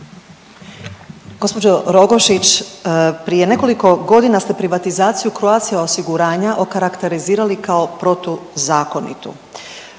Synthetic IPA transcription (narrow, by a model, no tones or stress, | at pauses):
ɡ̥o̞spo̞d͡ʑoɾo̞ɡoʃit͡ɕ | pɾije̞ne̞ko̞liko̞ɡo̞d̪inast̪e̞pɾiʋat̪izaːt̪sijukɾoat̪sijaosiɡuɾaːɲaʔo̞kaɾakt̪e̞ɾiziːɾalikao̞pɾo̞t̪ozaːko̞nḭt̪ṵ